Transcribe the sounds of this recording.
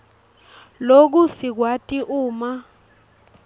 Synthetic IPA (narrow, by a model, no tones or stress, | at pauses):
lok̬usik̬watʼiʔuːma